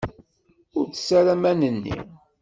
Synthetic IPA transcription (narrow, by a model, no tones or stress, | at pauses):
ʊɾt͡ssæɾæmænənːḭ